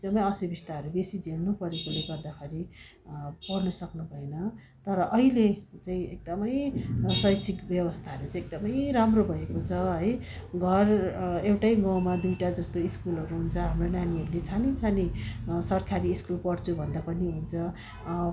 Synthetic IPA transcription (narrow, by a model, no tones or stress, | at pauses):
ekd̪ʌmʌjʌsibʱist̪aɦʌɾubesid͡zelnupʌɾekoleɡʌrd̪akʰeɾi | pʌrnʌsʌknubʱʌenʌ | t̪ʌɾʌʔʌɦilet͡saĩek̚d̪ʌmʌjsʌjsʰikbjʌbʌst̪ʰaɦʌɾut͡saĩek̚d̪ʌmʌjramrobʱʌekot͡sʰʌɦʌjɡʱʌrewʈajɡʌwmad̪ujʈad͡zʌst̪oiskulʌɾuɦunt͡sʰʌɦamronaniɦʌɾulet͡sʰanit͡sʰanisʌrkʰaɾiːskulpʌrt͡sʰubʱʌnd̪apʌniɦunt͡sʰʌ